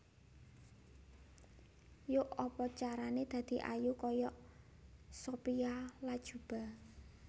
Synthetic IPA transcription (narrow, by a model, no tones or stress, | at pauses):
jʊʔɔpɔt͡ʃaɾaned̪̥ä̤d̪̥i̤ʔa̰jukɔjɔʔ | sopialad̥ʒ̥ṳb̥a̤